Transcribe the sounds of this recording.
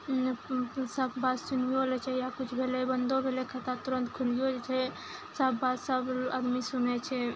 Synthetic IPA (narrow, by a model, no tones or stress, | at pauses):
səbbat̪sunoolɛt͡ʃʰɛjakut͡ʃʰbʱelebənd̪obʱelekʰət̪at̪uɾənt̪kʰulijod͡ʒet͡ʃʰɛ | səbːat̪səbəd̪misunɛt͡ʃʰɛ